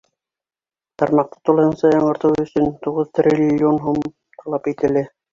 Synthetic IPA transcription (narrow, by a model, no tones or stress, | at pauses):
t̪ɑɾmɑq̚t̪ɤ̥t̪ulˠɑhɤ̆nsɑjɑɴɢɤ̆ɾt̪ɤwɵ̆sɵnt̪uʁɤðt̪rʲilʲːionɦum | t̪ʰɑlˠɑpit̪ɘ̆lɘ